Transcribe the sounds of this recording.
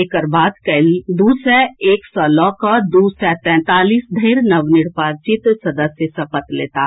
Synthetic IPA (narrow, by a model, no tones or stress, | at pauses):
ekəɾbaːd̪kɐld̪uːsɛeːksɔlɔ̃kad̪uːsɛt̪ɛ̃ːt̪aːliːsd̪ʱəɪɾnɐʋnɪɽpaːɾt͡ʃɪt̪sɐd̪əsjəsɐpət̪leːt̪aː